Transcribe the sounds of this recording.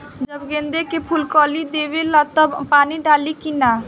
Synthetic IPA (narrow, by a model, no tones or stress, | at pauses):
d͡ʒəbɡẽːnd̪ekepʰʊlkɔːlid̪eːʋelat̪əbpaːniɖaːlikina